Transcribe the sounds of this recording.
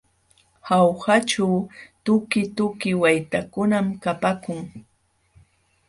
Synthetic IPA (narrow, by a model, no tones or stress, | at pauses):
hawhaʈ͡ʂawt̪ʊkɪt̪ʊkɪwajt̪akʊnamkapakʊŋ